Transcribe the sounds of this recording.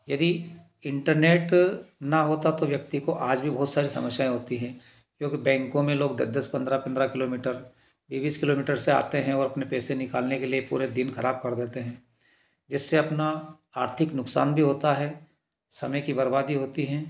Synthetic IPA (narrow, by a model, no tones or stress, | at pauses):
jɐd̪i | ɪ̃ɳʈəɾneːʈnɐɦoːt̪at̪oʋjɐkt̪ikoʔaːd͡ʒbʱibɐɦʊt̪saːɾisɐ̰məʃjaːẽɦoːt̪iɦɛ̃ː | kjõːkibɛ̃ːŋkõmẽloːɡ̚d̪ə̰d̪əspɐ̃nd̪ɾapɐ̃nd̪ɾakɪloːmiːʈəɾ | biːbiːskɪloːmiːʈəɾsea̰ːt̪eɦɛ̃ɔːɾɐpnepɛːsenɪkaːlnekeliepṵːɾed̪ɪnxɐɾaːb̚kɐɾd̪eːt̪eɦɛ̃ː | d͡ʒɪsːeɐpna | aːɾt̪ʰɪknʊksa̰ːnbʱiɦoːt̪aɦɛː | sɐməjkibɐɾbaːd̪iɦoːt̪iɦɛ̃ː